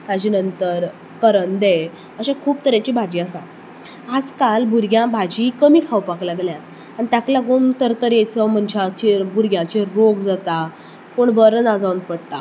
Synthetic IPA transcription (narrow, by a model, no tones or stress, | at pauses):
t̪ad͡ʑiːnənt̪əɾ | kəɾənd̪e | əɕakʰuːp̚t̪əɾjat͡ɕiːbʱad͡ʑiːasã | ad͡zkalbuɾɡjãbʱad͡ʑikəmiːkʰawpaklaɡljã | añit̪jakljaɡuːnt̪əɾt̪əɾjet͡sɔm̤əɳd͡ʑat͡ɕebuɾɡjãt͡ɕeɾoɡd͡zat̪a | koɳbəɾənad͡zawnpəɽt̪a̰